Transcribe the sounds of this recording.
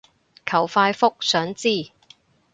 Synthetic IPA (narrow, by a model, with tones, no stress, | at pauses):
kʰɐ˨˩wfaː˧jfʊ˥k̚sœː˨˥ŋt͡siː˥˩